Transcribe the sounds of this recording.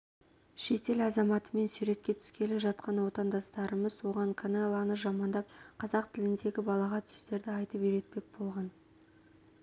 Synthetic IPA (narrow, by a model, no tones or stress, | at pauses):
ʃe̞t̪e̞lɑzɑmɑt̪əme̞nsuɾe̞t̪̚kʲe̞t̪ʰʏ̥skʲe̞lɪʒɑt̪̚qɑnwo̞t̪ɑnd̪ɑst̪ɑɾəməzwo̞ʁɑɴkʰonelˠɑnəʒɑmɑnd̪ɑp̚qʰɑzɑq̚t̪ʰɪlɪnd̪e̞ɡʲɪbɑlˠɑʁɑt̪ʰʏ̥st̪e̞ɾd̪ɪɑjt̪əpʏɾe̞t̪̚pe̞k̚b̥o̞lˠʁɑn